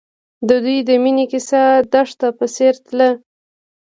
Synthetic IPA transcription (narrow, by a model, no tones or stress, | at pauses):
d̪əd̪ujd̪əminikɪsad̪aʂt̪apəseɾt̪lə